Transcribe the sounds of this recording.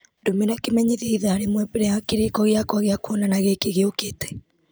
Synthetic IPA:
domenakemɛɲiðiiðaːɾemwɛpeɾɛjakiɾekɔɣjakɔaɣjakuɔnanaɣekeɣeoketɛ̥

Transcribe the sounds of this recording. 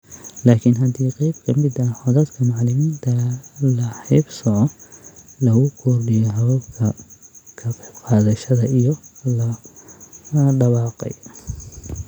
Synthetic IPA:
laːkʰɪnɦɐd̪iːqɛjbkʰɐmɪd̪ɐħɔðɐd̪kʰɐmɑʕlɪmiːnt̪ʰɐlɐħɪbsɔʕɔ | lɐɣʊkʰɔrɖɪjɔɦɐβɐbkʰɐkʰɐqɑːðɐʃɐðɐijɔlɐ | ɖɐβɑːqɛ̰j

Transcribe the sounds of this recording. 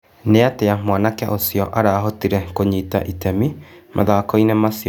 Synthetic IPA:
neateamwanakɛʔosijɔʔaɾaːɦotiɾɛkoɲiːta̰ʔitɛmimʔa̰ðakɔinɛmasiɔ

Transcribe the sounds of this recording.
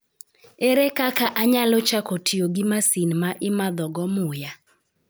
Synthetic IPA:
eɾekakaʔaɲalɔt͡ʃakɔtʰioɡɪmasinmaʔɪmad̪ɔɡɔmʊja

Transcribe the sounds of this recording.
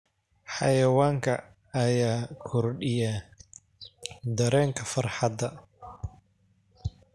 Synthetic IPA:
ħɑ̰jɐwaːŋkʰɐ̰ː | jaːkʰɔrɖɪjaː | d̪ɐɾɛːŋkʰɐfɐrħɑd̪ɐ

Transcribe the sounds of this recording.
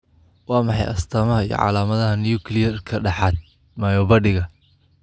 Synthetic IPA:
wɑːmɑħɑjʔɐst̪ʰɐmɐɦɐḭjɔ̰ʕɑ̰laːmɐðɐɦɐnjuːkʰlɪjɐrkʰɐɖɑħɑd̪̚ | majɔβɐɖɪɣɐ

